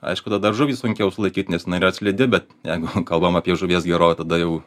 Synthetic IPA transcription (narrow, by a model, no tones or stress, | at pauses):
ɐ̰ɪʃkʊd̪ɐd̪ɐrʒʊʋʲiːsʊŋʲkʲɛʊsʊlˠɐɪkʲiːt̪nʲɛsjɪnɐɪɪɾɐt̪sʲlʲɛd̪ʲɪbʲɛt̪jɛɪɡʊkɐlˠbɐmɑpʲiɛʒʊʋʲiɛsɡʲɛɾoːkʲɛt̪ɐd̪ɐjɛʊ